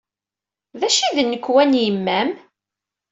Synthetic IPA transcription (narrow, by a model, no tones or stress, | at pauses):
ðæʃiðnːəkːwænjəmːæm